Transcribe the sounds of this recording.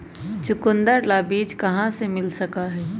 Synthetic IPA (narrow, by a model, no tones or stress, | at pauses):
t͡ʃʊkʊ̃nd̪əɾlabiːd͡ʒkɐɦãsemɪlsɐkaɦɛː